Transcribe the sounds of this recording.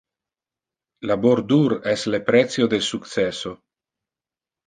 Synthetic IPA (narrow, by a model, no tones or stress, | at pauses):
laboɾd̪uɾeslepɾet̪sjod̪elsukt̪seso